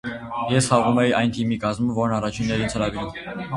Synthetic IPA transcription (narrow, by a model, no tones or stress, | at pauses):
jɛsχɑʁumɛjiʔɑjnt̪ʰimikɑzməvɔɾnɑrɑt͡ʃʰinːɛɾint͡sʰəɾɑviɾum